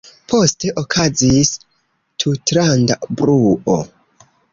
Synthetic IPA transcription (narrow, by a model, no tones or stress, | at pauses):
pʰo̞ste̞ʔokʰazis | tʰutɾandabɾuʔo